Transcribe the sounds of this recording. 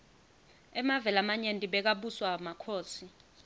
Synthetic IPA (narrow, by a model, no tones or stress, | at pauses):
ɛmavɛlamaɲentʼiɓɛk̬aɓuswamakʰoːsi